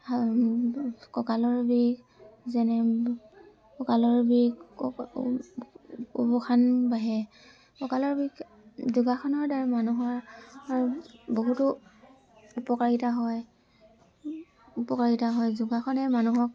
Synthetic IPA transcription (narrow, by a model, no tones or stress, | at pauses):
kɔkalɔɹbiɡ | zɛnɛ | kɔkalɔɹbik | ubɔxʰanbaɦɛ | kɔkalɔɹbik | zuɡaxʰɔnɔɹdaɹɛmanuɦɔɹɹboɦutʊ | upɔkaɹitaɦɔj | upɔkaɹitaɦɔjzuɡaxʰɔnɛmanuɦɔk